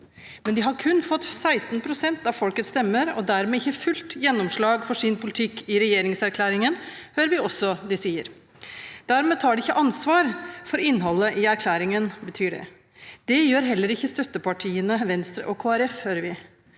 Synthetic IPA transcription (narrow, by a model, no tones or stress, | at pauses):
mɛnd̪ɪɦɑɾkʰʉnːfɔt̪ːsæɪst̪n̩pʰɾʊsɛnt̪ɑfɔlkət̪st̪ɛmːəɾɔ̰d̪æɾmɛːɪçːəfʉlt̪jɛnːɔmʂɭɑːɡfɔʂɪnpʰʊlɪt̪ʰɪkːɪɾɛjeːɾɪŋsæɾkʰlæːɾɪŋənhøːɾəʋɪɔsːɔd̪ɪsiːə̰ɾ | d̪̥æɾmɛːt̪ʰɑːɖɪɪçːəʔɑnsʋɑːɾfɔɾɪnːɦɔlːəʔɪæɾkʰlæːɾɪŋənbət̪ʰyːɖɛ̰ | d̪̥ɛjøːɾɦɛlːəɾɪçːəst̪œt̪ːəpɑʈʰiːənəʋɛnst̪ɾə̰ʔɔkʰoːæɾɛfhøːɾəɾʋɪ